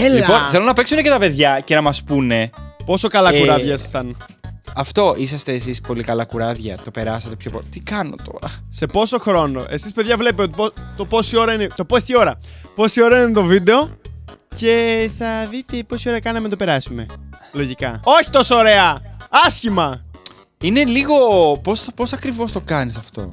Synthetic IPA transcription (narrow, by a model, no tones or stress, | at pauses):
eliponθθelonɐpeksunecet̪ɐpe̞ðʝɐce̞nɐmɐspune̞po̞so̞kɐlɐkuɾɐðʝɐst̪ɐn | ɐft̪o̞ʔisɐst̪e̞ːsispo̞likɐlɐkuɾɐðʝɐ̰t̪o̞pe̞ɾɐset̪e̞pçopt̪ikɐno̞̰t̪o̞ɾɐse̞po̞so̞xɾo̞no̞̰ʔe̞sispeðʝɐvle̞pieot̪ipot̪opo̞sio̞ɾɐinet̪o̞po̞sio̞ɾɐpo̞sio̞ɾɐininet̪o̞vid̪e̞o̞ce̞θɐðit̪e̞po̞sio̞ɾɐkɐnɐmet̪o̞pe̞ɾɐsume̞loʝikɐo̞çi̥t̪o̞soːɾe̞ɐɐsçimɐ | ine̞liɣo̞pospo̞sɐkɾivo̞st̪o̞kɐnisɐft̪o̞̰